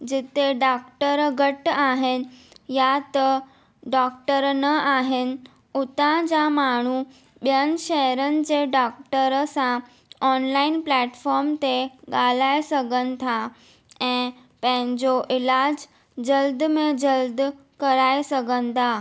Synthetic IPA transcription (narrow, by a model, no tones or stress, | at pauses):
d͡ʑɪt̪eɖaːkʈəɾɡʱɐʈaːɦɪnɪ̆jat̪ɐ | ɖaːkʈəɾnɐaːɦɪnɪ̆ | ʊt̪ãd͡ʑamaːɳ̤u | ɓijənɪ̆ʃɛɦəɾənɪ̆d͡ʑeːɖaːkʈəɾsã | ɔːnlaːɪnplɛːʈfɔːɾmt̪eɠaːl̤aːesɐɡʱənɪ̆t̪ʰa | ɛ̃ː | pɐ̃ɦɪ̃ɲd͡ʑoʔɪlaːd͡ʑ | d͡ʑɐld̪mẽd͡ʑɐld̪ | kɐɾaːesɐɡʱənɪ̆t̪ʰaː